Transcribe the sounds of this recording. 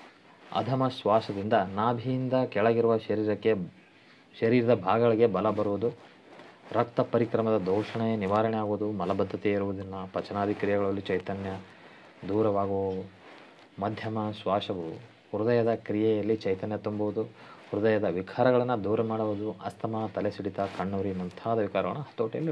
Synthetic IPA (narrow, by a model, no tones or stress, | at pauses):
ɐ̰d̪ʱɐmɐsʋaːʃɐd̪ind̪ɐnaːbʱijind̪ɐkɛɭɐɡiɾuʋɐʃɐɾiɾɐkːe | ʃɐɾiːɾid̪ɐbʱaːɡɐɭiɡe̞bɐlɐbɐɾuʋud̪u | ɾɐk̚t̪ɐpɐɾikɾɐmɐd̪ɐd̪ɔːʃɐɳejeniʋaːɾɐɳɛjaːɡuʋud̪umɐlɐbɐd̪ʱːɐt̪eiɾuʋud̪inːɐpɐt͡ʃɐnaːd̪ikɾijɛɡɐɭɐlːit͡ʃɐjt̪ɐnjɐ | d̪uːɾɐʋaːɡu | mɐd̪ʱjɐmɐsʋaːʂɐʋu | ɾud̪ɐjɐd̪ɐkɾijɛjɐlːit͡ʃɐjt̪ɐnjɐt̪umbuʋud̪uɾud̪ɐjɐd̪ɐʋikʰaːɾɐɡɐɭɐnːɐd̪uːɾɐmaːɽuʋud̪uɐst̪ʰɐmɐt̪ɐlesiɽit̪ɐkɐɳːuːɾimɐnt̪ʰaːd̪ɐʋikaːɾɐʋɐ̰nːɐɦɐ̥t̪ːoːʈijɐ̰lːi